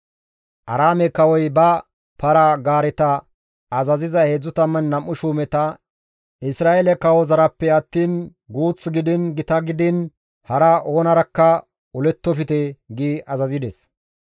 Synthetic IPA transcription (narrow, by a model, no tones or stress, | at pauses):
ʔɐɾaːmɛkɐwɔjbɐ | pɐɾɐɡaːɾɪt̪ɐ | ɐzɐzɪzɐhe̞ːd͡zːʊt̪ɐmːɐnːɐmːʊʃuːmɛt̪ɐ | ʔɪsɾaːʔelɛkɐwɔzɐɾɐpːɛɐt̪ːiːn | ɡuːt͡sːɡɪd̪ɪnɡɪt̪ɐɡɪd̪ɪn | hɐɾɐʔo̞ːnɐɾɐkːɐ | ʊlɛt̪ːɔfɪt̪ɛɡiːɐzɐzɪd̪ɛs